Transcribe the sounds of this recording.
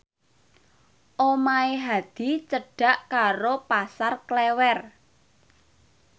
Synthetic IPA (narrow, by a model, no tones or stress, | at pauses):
ʔomaeɦad̪̥i̤t͡ʃəɖ̥a̤ʔkaɾopasarklɛwɛr